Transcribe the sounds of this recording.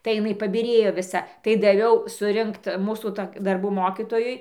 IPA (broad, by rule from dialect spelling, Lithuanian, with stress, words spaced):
tɐɪ ɪˈnɐɪ pɐbʲɪˈrʲeːjoː ʋʲɪˈsɐ tɐɪ dɐˈʋʲɛʊ sʊˈrʲɪŋkt ˈmuːsuː ˈtoːkʲ dɐrˈbuː ˈmoːkʲiːtoːjʊɪ